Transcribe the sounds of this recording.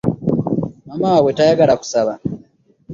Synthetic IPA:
mamawe̞tajaɡalaku̥saβa

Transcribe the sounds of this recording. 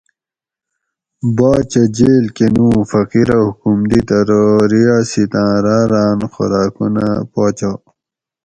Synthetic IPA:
baːt͡ɕɐd͡ʑeːlkenũːfɐqiɾɐhukumd̪it̪ɐɾoɾijaːsit̪ãːɾaːɾaːnxo̰ɾaːkṵna̰paːt͡ɕa

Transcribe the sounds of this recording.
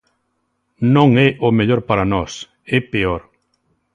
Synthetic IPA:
nõŋɛʔomeʎoɾpaɾanɔs | ɛpeoɾ

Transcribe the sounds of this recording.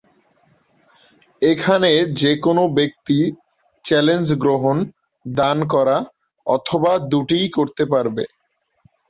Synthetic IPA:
ekʰaned͡ʑekonobek̚t̪i | t͡ɕɛlend͡ʑɡɾoɦon | d̪ankɔɾa | ɔt̪ʰobad̪uʈijkoɾt̪epaɾbḛ

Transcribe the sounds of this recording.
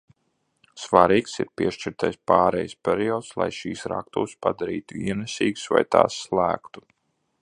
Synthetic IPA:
svaɾiːksḭɾpʲiɛʃt͡ʃiɾt̪ajspaːɾɛjspʲɛɾiɔːt̪slˠa̰jʃiːsɾa̰kt̪uːspad̪aɾiːt̪uiɛnɛsʲiːɡsva̰jt̪a̰ːsːlˠæːkt̪u̥

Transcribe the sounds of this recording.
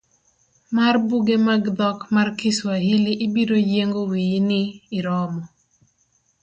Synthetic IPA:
marbuɡemaɡd̪ɔkmarkɪswahilɪʔɪbiɾojeŋɡowijnɪːɾɔmɔ

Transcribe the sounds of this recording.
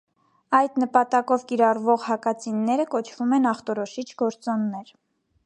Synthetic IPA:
ɑjd̪nəpɑt̪ɑkɔvkiɾɑrvɔʁhɑkɑt͡sʰinːɛɾəkɔt͡ʃʰvumɛnɑχt̪ɔɾɔʃit͡ʃʰɡɔɾt͡sɔnːɛɾ

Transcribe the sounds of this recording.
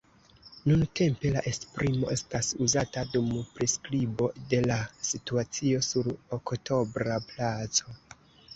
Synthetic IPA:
nunte̞mpe̞laʔe̞spɾimo̞ʔe̞stasuzatadumpɾiskɾibo̞de̞lasituat͡sio̞suɾokto̞bɾaplat͡so̞

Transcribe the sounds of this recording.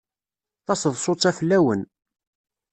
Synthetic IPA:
θɑsəðˤsˤot͡sˤːæfəlːæwən

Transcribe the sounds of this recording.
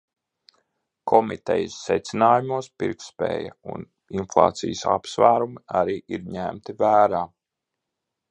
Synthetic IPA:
kʰɔmit̪ɛ̰jəsːɛt̪sinaːjumuɔspiɾkspɛ̰ːja̰ṵn | inflˠɑ̰ːt̪sijəsa̰psvæːɾumiaɾiːʔiɾɲæmt̪ivæːɾaː

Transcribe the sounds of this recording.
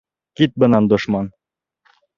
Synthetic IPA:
kit̪̚bɤ̆nɑnd̪ŏʃmɑn

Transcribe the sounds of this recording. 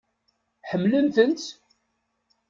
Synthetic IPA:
ħəmːlənθənt̪

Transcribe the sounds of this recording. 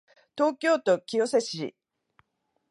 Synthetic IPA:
t̪o̞ːkʲo̞ːt̪o̞kʲio̞seɕiḭ

